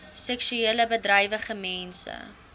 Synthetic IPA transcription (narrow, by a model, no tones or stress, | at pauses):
sɛksyeːləbədrɐjvəχəmɛnsə̰